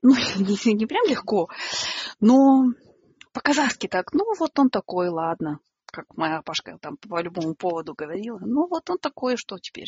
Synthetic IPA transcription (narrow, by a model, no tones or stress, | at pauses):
nunʲɪnʲɪpɾʲamlʲɪxko̞ | no | pəkɐzaskʲɪt̪aknuvo̞t̪o̞nt̪ɐko̞jlˠad̪nə | kakmɐjapaʂkə̰t̪ampəlʲʊbo̞mʊpo̞vəd̪ʊɡəvɐɾʲilˠənuvo̞t̪o̞nt̪ɐko̞jəʂt̪otʲɪ̥pʲḛɾʲ